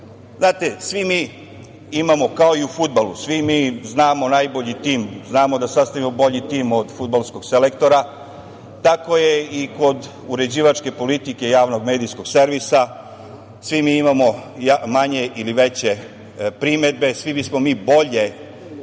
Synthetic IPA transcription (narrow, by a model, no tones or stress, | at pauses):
znaːt̪e̞sʋimiː | imamo̞kao̞iufud̪̚balˠṵsʋimiːznaːmo̞najbo̞ʎit̪iːmznaːmo̞d̪asast̪aʋimobo̞ʎit̪iːmo̞d̪fud̪balˠsko̞ɡselekt̪o̞ɾa | t̪ako̞jeiko̞d̪ | uɾe̞d͡ʑiːʋat͡ʃke̞po̞lit̪ike̞jaːʋno̞ɡme̞ːd̪ijskoɡ̥seɾʋisa | sʋimiimamo̞jamaɲe̞ʔiliʋe̞t͡ɕe̞ | pɾime̞d̪̚be̞sʋibismomiːbo̞ʎe̞